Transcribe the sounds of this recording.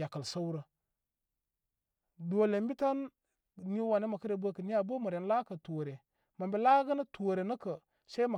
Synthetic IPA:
a˨kə˨lsa˦u˦ɾə˨ | do˨le˨m˦bi˦ta˦n | ni˦wa˨ne˦ma˨kə˦ɾe˨bə˦kə˨ni˦ja˨bə˦mə˨ɾe˨n˦la˦kə˨to˨ɾe˨ | ma˨mbe˨la˦ɡə˦nə˦to˨ɾe˨nə˦kə˨ | sa˦i˦ma˨

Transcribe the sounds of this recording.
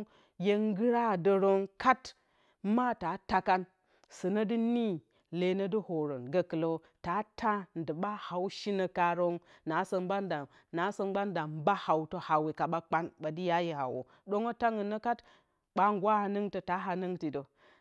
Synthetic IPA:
je˦ŋ˦ɡɨ˦ɾa˦˨də˨ɾo˦ŋka˦t | ma˦ta˨˦ta˦ka˦n | sɨ˨nə˦dɨ˦ni˦ | le˨nə˦dɨ˦ho˨ɾo˨nɡə˨kə˨lo˦ | ta˨˦tʰa˦n˨də˨ɓa˦ha˨wʃi˦nə˨ka˨ɾo˦ŋna˨˦sə˨mba˦nda˨ | na˨˦sə˦nɡ͡ba˦n˦da˨m˦ba˦ha˨wto˦ha˨we˨ka˨ɓa˦k͡pa˦nɓa˨di˦ja˦je˨ha̰˨wo̰˨ | do˦ŋo˦ta˦ŋə˨nːə˦ka˦t | k͡pa˦ŋɡwa˦ha˨nɨ˦ŋtə˨ta˨˦ɦa˨nə˦ŋti˨do˨

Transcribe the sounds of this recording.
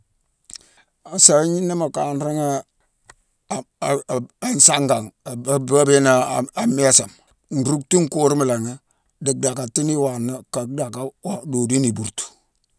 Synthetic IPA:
a˨sa˨wi˦ɲi˦nːa˦ma˨ka˨n˦ɾi˦ŋa˦˨ | a˨n˦sa˦ŋɡa˨ŋ˨ba˦be˦na˨a˨m˦e˦sa˨m | n̩˨ɾu˦k̚tu˦ŋ˦ku˦ɾi˦mi˨la˨ŋi˦ | di˨k̚da˨ka˨ti˦ni˦wa˨nːa˦ka˨k̚da˨ka˦wa˨do˨di˦ni˨bu˨ɾtu̥˨

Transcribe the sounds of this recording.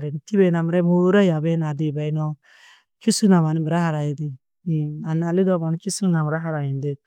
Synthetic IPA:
ɾi˨nt̪i˦be˨na˨mɾɛ˦bu˦ɾa˦ja˨be˦na˨d̪i˨ba˨jnɔ˧ | t͡ʃu˦su˦na˨ma˨ni˦bɾa˦ɦa˨ɾa˨ji˨d̪i˨ | a˨na˨li˦d̪ɔ˦ma˨n˦t͡ʃi˦su˦na˨m˨ɾa˦ɦa˦ɾa˨ji˨nd̪i˨

